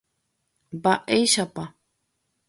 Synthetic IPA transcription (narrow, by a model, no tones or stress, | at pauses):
baʔejʃapa